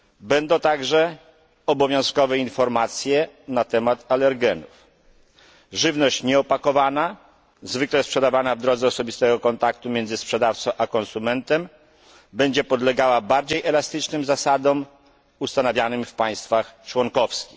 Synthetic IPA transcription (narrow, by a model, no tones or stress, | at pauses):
bɛnd̪ɔ̃w̃t̪aɡʐɛ | ɔbɔvʲjɔ̃w̃skɔvɛinfɔɾmat̪sʲjɛnat̪ɛmat̪alɛɾɡɛnuf | ʐɘvnɔɕt͡ɕɲɛɔpakɔvana | zvɘklɛspʂɛd̪avanavd̪ɾɔd̪zɛɔsɔbʲist̪ɛɡɔkɔnt̪akt̪umʲjɛnd̪zɘspʂɛd̪aft̪sɔ̃w̃ʔakɔnsumɛnt̪ɛm | bɛɲd͡ʑɛpɔd̪lɛɡawabaɾd͡ʑejʔɛlast̪ɘt͡ʂnɘmzasad̪ɔm | ust̪anavʲjanɘmfpaj̃st̪faxt͡ʂwɔŋkɔfskʲix